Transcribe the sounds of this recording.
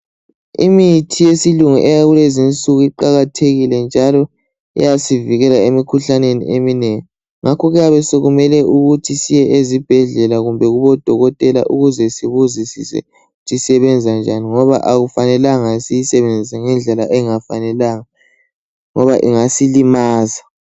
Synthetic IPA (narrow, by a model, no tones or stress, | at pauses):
ḭmitʰijesiluŋuʔɛjaɣulezint͡sʼuɣuiǃaɣatʰeɣilɛnd͡ʒʱalɔ | ɛ̰jasiviɣɛlaemikʰuɬanenḭʔeminɛŋɛ | ŋʔakʰɔɣɛjaβɛsoɣumɛlɛʔuɣutʰisijɛʔezib̥ʱɛɮɛlaɣumbʱɛɣuβɔd̥ʱɔɣɔtʼɛla̰ʔuɣuzɛsiβuzisḭsɛ̰ | utʰisɛβɛnd͡zʱand͡ʒʱaniŋɔβa̰ʔaɣufanɛlaŋasijisɛβend͡zʱisaŋɛnd͡ɮʱɛlaʔɛŋafanɛlaŋa | ŋɔβaʔḭŋasilimaːza